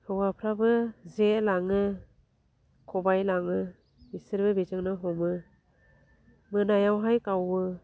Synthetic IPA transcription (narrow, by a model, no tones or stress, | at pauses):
hɯwapʰɾabɯzelaŋɯ | kʰɔbajlaŋɯ | bisɯɾbɯbizɯŋnɯɦɔmɯ | mɯnajawɦajkawbɯ